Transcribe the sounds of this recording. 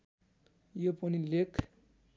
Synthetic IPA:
joponilekʰ

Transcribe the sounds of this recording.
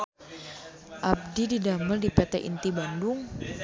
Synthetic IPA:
ʔab̚dididaməldipɛt̪ɛʔḭnt̪ibandʊŋ

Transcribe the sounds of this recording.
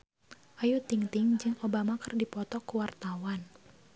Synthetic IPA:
ʔajut̪iŋt̪iŋd͡ʒɨŋobamakɨrdipɔt̪ɔkuwart̪awan

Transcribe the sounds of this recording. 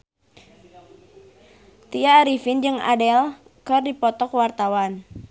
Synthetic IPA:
t̪iaɾifind͡ʒɨŋa̰dɛl | kɨrdipɔt̪ɔkwart̪awan

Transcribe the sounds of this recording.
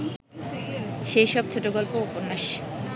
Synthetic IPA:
ʃejʃɔb̚t͡ɕʰoʈoɡɔlpooponːaʃ

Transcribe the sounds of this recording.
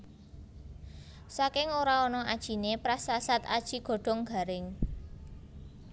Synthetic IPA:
sakɪŋoɾaɔnɔad̥ʒ̥i̤nepɾasasat̪ad̥ʒ̥i̤ɡ̥o̤ɖ̥ɔ̤ŋɡ̥a̤ɾɪŋ

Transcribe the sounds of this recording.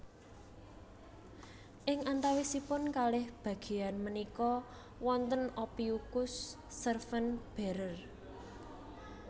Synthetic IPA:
ʔɪŋant̪awisipʊnkalɪhb̥ä̤ɡ̥e̤anmənikɔ | wɔnt̪ənopiukʊsː | ərfənb̥e̤ɾər

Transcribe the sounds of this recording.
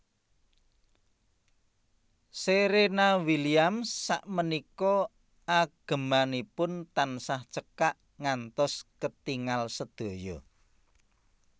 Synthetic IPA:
seɾenawiliamːaʔmənikɔ | aɡ̥ə̤manipʊnt̪ansaht͡ʃəkaʔ | ŋant̪ɔskət̪iŋalsəd̪̥o̤jɔ

